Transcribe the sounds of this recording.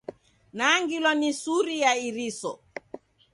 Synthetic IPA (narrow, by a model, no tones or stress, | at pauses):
naŋɡilɔnisuɾijaiɾisɔ